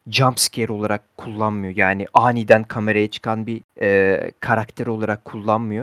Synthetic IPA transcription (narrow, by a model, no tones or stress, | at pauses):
d͡ʒampscʰeɾo̞lˠaɾakkʰːulˠːanmɯjo̞jaːniʔaːnid̪ænkʰame̞ɾajat͡ʃʰɯ̥kʰanbiɛːkʰaɾakt̪ʰeɾo̞lˠaɾakʰːulˠːanmɯjo̞